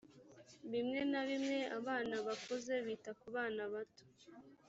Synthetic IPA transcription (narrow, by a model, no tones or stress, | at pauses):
βimŋe̞naβimŋe̞aβaːnaβakoze̞βiːtakuβaːnaβato̥